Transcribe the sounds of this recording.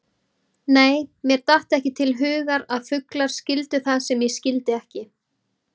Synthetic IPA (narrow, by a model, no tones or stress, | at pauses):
neːjmjɛɾt̪aht̪ɛhcɪt̪ʰɪlɦʏːɣaɾaðfʏklaɾ̥scɪlt̪ʏθaðsɛmjɛɣscɪlt̪ɪɛhcɪ